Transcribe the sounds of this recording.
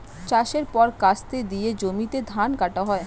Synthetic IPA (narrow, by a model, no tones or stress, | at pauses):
t͡ɕaʃeɾpɔɾkast̪ed̪ijed͡ʑomit̪ed̪ʱankaʈaɦɔe